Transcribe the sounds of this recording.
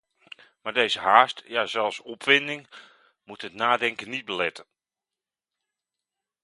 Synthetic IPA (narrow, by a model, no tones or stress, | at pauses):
maːrdeːzəɦaːstjazɛlˠfsɔpfɪndɪŋ | mutətnaːdɛŋkənːit̚bəlɛtə